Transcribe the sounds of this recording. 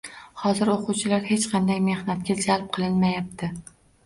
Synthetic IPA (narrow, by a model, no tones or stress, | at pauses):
hɒzɪɾoqʰʊwt͡ʃʰɪlaɾhe̞t͡ʃqʰɑnd̪ajme̞hnat̪̚kʲad͡ʒalˠp̚qʰɨlˠɪnmajap̚t̪ʰɪ